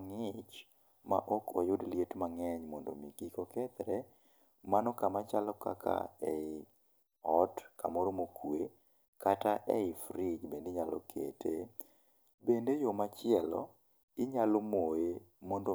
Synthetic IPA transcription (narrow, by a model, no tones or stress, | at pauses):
ŋɪt͡ʃ | ma̰ʔɔkʰɔ̰jʊdljetmaŋɛɲmɔndomikikɔkɛt̪ɾɛ | manɔkamat͡ʃalɔka̰kʰa̰ɛ̰ɪ | ɔtkʰa̰mɔɾmokwe | kataʔɛɪfɾɪd͡ʒbendeɲalɔ̰kʰḛtʰḛ | bendejomat͡ʃɪɛlɔ̰ | ɪɲalomoe | mɔndo